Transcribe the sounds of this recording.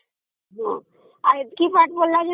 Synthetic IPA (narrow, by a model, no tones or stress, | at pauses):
ɦɔ̃ | aɾkipaʈbolːad͡ʒe